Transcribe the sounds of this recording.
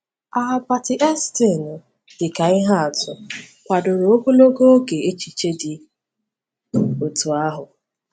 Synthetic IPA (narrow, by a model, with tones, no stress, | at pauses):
a˨a˨ba˨tɪ˨ʔe˦sti˦˨nʊ˨ | dɪ˨ka˨ɪ˦ɦa˦a˨tʊ˨ | kʷa˨dʊ˨ɾo˨o˦kʷu˦lo˦ɡo˦ɡe˨e˦t͡ʃi˨t͡ʃe˦dɪ˨ | o˨tu˨a˦ɦʊ˨